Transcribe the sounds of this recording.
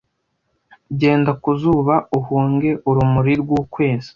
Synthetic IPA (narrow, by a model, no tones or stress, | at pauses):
ɟe̞ːndakuzuːβauhuːŋɡe̞ʔuɾumuɾiɾɡuːkwe̞ːzi̥